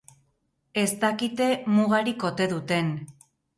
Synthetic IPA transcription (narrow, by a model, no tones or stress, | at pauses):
e̞st̪akit̪e̞muɣaɾiko̞t̪e̞ðut̪e̞n